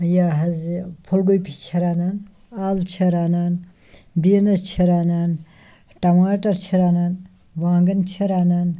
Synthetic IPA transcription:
jaɦɐzipʰolɡojpʰit͡ʃʰɐɾaːnaːn | aːlt͡ʃʰɐɾaːnaːn | biːnɐst͡ʃʰiɾaːnaːn | ʈɐmaːʈɐɾt͡ʃʰiɾaːnaːn | ʋaːŋɡɐnt͡ʃʰɐɾaːnaːn

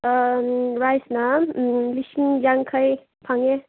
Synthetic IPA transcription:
ɾajsnaliskiŋd͡ʒaŋkʰəj | pʰaŋe

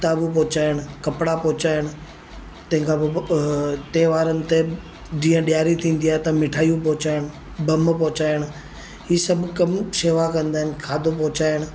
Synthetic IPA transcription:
t̪aːbup̬ɔʊt͡ɕaːɪɽ̃kɐpɽapɔɦʊt͡ɕaːɪɽ̃ʊ̆ | t̪ɐ̃ɦɪ̃ŋkʰãbɪ | t̪eːʋaːɾənɪ̆t̪e | d͡ʒĩːə̃ɗjaːɾit̪ʰĩːn̆d̪iaːɦet̪ɐmɪʈʰaːijũpɔːʊt͡ɕaːɪɽ̃ʊ | bɐmpɔɦt͡ɕaːɪɽ̃ | ɦiːsɐbʱkɐmseːʋakɐ̃nd̪aːɦɪnɪ̆kʰaːd̪ʱopɔɦʊt͡ɕaːɪɽ̃̆

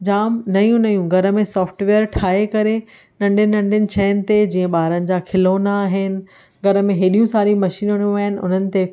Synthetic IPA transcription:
d͡ʑaːmnɐjũnɐjũɡʱɐɾə̆mẽsɔːfʈʋeːəɾʈʰaːekɐɾe | nɐ̃ɳɖɪnɪ̆nɐ̃ɳɖɪnɪ̆t͡ɕʰɐːɪnɪ̆t̪ed͡ʑiːə̃ɓaːɾənɪ̆d͡ʑaːkʰɪloːnaːɦɪnɪ̆ | ɡʱɐɾə̆mẽɦɪɗijũsaːɾimɐʃiːnəɽũaːɦɪnɪ̆ʊ̰n̤ənɪ̆t̪e

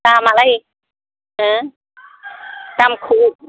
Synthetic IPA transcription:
taːmalaj | ʔɤː | kamkʰuː

